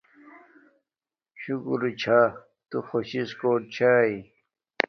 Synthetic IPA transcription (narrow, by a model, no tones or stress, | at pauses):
ɕukɾut͡ɕʰa | t̪uxoɕiskoːʈ̚t͡ɕʰaːi